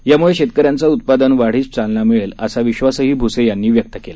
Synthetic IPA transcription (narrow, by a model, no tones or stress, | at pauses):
jamuɭeɕet̪kəɾjãnt͡saut̪̚pad̪ənʋaɽ̤iːt͡st͡salnamiɭeləsaʋiɕʋasəɦiːbʱusejanːiːʋjək̚t̪əkela